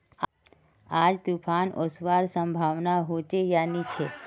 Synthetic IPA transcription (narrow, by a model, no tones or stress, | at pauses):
ad͡ʒt̪upʰanʔosʋaɾsə̃mbʱaʋnaɦot͡ʃejanit͡ʃʰe